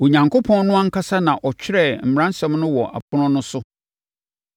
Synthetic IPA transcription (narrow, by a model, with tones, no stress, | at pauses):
o˨ɲã˨ŋkʰo˦pʰɔ̃˦nnʊ̃˦a˦ŋ̩˦kʰa˦sa˦nã˨ʔɔ˨t͡ɕᶣɪ˦ɾɛ˦˨m̩˨m̩˨ɾã˦n˦sɛ̃˦mnʊ̃˦wɔ˨ʔa̰˨pʰʊ˦nʊ̃˦nʊ̃˦sʊ˦